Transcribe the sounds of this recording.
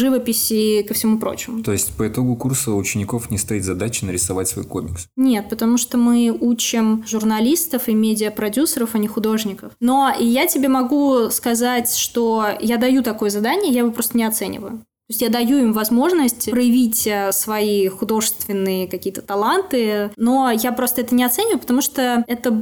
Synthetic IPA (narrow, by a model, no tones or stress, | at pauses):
ʐɨvəpʲɪsʲɪkəfsʲɪmupɾo̰t͡ɕɪmʊt̪o̞ɪsʲtʲpəɪt̪o̞ɡʊkursəʊt͡ɕɪnʲɪko̞fnʲɪst̪ɐit̪zɐd̪at͡ɕɪ̥nəɾʲɪsɐvatʲsvo̞̰jko̰mʲɪksnʲe̞t̪̚pət̪ɐmuʂt̪omɨut͡ɕɪmʐʊrnɐlʲist̪əfɨmʲedʲɪəpɾɐdʲusəɾəfɐnʲɪxʊd̪o̞ʐnʲɪkəfno̞ijatʲɪbʲemɐɡuskɐzatʲʂt̪o̞jad̪ɐjut̪ɐko̞jəzɐd̪anʲɪjəjavɨpɾo̞st̪ənʲɪɐt̪sɛnʲɪ̰və̰jʊt̪oɪsʲtʲjad̪ɐjuɪmvɐzmo̞ʐnəsʲtʲpɾəjɪvʲitʲəsvɐixʊd̪o̞ʐɨst̪vʲɪnːɨjəkɐkʲiːət̪ə̥t̪ɐlˠant̪ɨno̞japɾo̞st̪əɛt̪ənʲɪɐt̪sɛnʲɪvʊjʊpət̪ɐmuʂt̪oɛt̪ə